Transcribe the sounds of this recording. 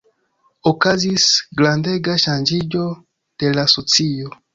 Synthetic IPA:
okazisɡlãndeɡaʃãnd͡ʒiɟo | d̪̥elasot͡sijo

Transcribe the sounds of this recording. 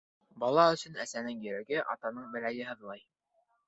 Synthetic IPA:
bɑlˠɑɵ̆sɵ̆næsænɘŋjɵ̆ɾæɡɘʔɑ̰t̪ɑnɤɴbɘ̆læjɘɦɤ̆ðlˠɑj

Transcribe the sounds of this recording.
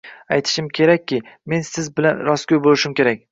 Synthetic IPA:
ajt̪ʰɪ̥ʃɪmkʲʰe̞ɾakʲːɪme̞nsɪzbɪlanɾɒskʲʰojbolɪʃɪmkʲe̞ɾak̚ʲ

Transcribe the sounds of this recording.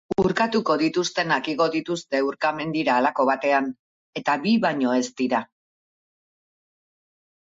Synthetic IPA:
uɾkat̪uko̞ðit̪ust̪e̞nakiɣo̞ðit̪ust̪e̞uɾkame̞nd̪iɾaːlako̞β̞at̪e̞an | e̞t̪aβiβaɲo̞e̞st̪iɾa

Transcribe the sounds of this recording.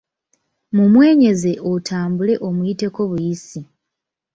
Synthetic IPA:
mumwe̞ːɲe̞ze̞otʰaːmbule̞ʔo̞mujite̞ko̞βujisi

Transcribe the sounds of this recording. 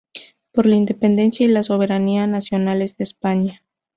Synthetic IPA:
po̞ɾlaind̪epe̞nd̪e̞nsjailaso̞β̞e̞ɾanianasjo̞nale̞zðe̞ːspaɲa

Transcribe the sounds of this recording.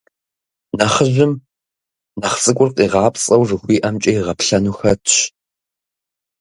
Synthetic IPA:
nɐχəʑɪm | nɐχt͡sʼɨkʷʼʊrqʼiːʁɑːpt͡sʼɐwʐɨxʷiːʔɐmt͡ʃʼɐjɪʁɐpɬɐnuːxɐtʰɕ

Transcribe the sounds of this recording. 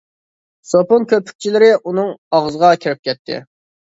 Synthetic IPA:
soponkʲøpʰy̥k̚ʲt͡ʃʰilɪɾɪʔunɨŋɑʁzəʁɑkʲʰiɾɪp̚kʲʰɛt̪ʰːɪ̰

